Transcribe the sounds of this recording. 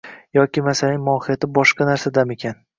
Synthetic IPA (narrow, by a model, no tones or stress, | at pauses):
jɒkʲɪmasalanʲmʊɒhɪjat̪ɪbɒʃqɑnaɾsad̪ame̞kʲʰan